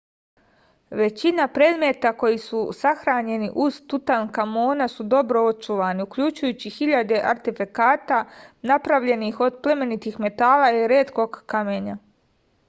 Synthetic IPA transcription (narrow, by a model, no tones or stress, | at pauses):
ʋe̞t͡ɕinapɾe̞ːd̪me̞t̪ako̞jisusaxɾaːɲe̞niʔuz̥t̪ut̪ankamo̞ːnasud̪o̞bɾo̞o̞t͡ʃuʋaːniukʎut͡ʃujut͡ɕixiʎad̪e̞ʔaɾt̪ifikaːt̪anapɾaʋʎe̞nixo̞d̪ple̞me̞nit̪ixme̞t̪aːlaiɾe̞ːt̪ko̞ɡkame̞ɲa